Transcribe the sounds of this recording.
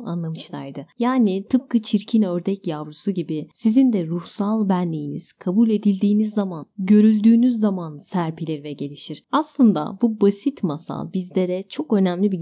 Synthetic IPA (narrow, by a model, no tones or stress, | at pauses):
a̰nlˠamɯʃlˠa̰ɾjd̪ɯjaːnit̪ʰɯp̚kɯt͡ʃʰiɾcʰinøɾd̪ɛcjavɾusuɟibɪsizind̪ɛɾuhsalˠbænlʲijinḭz̥kʰabulʲe̞d̪ilʲd̪iːnizːamanɟø̞ɾylʲd̪yːnyzːamansæɾpʰilʲiɾvɛɟe̞lʲiʃiɾ̥aslˠɯnd̪a̰bubasit̪masa̰lˠbizlʲe̞ɾɛt͡ʃʰo̞kø̞næmlʲibi